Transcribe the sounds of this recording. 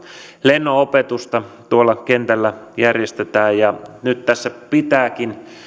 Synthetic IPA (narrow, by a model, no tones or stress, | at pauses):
lenːoopet̪ust̪ɑt̪uolːɑkent̪ælːæjærjest̪et̪æːjjɑnyt̪t̪æsːæpit̪æːkin